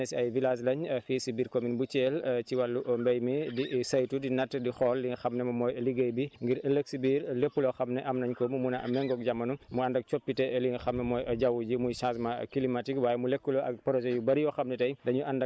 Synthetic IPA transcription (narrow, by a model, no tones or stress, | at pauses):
ɛsɐjvilaslɐɲfiːsibiːɾkominbut͡ʃeːlciwalːuʔmbɐjmidisɐjtudinɐtːdixɔːlːiŋxɐmnɛmɐmɔːjɐliɡɐjbiŋɡiɾɐləksibiːɾlepːulɔxɐmnɛʔɐmnɐɲkɔmumunɐɐ̰mɛŋɡɔk̚ɟamːɐnumuɐndɐk̚t͡ʃopːitɛliŋxɐmnɛmɔːjɐɟɐwuɟimujsasma̰kilimatikwaːjɛmulekːulɔɐk̚pɐɾɔzɛjubɐɾijɔxɐmnɛtɐjdɐɲuʔandɐ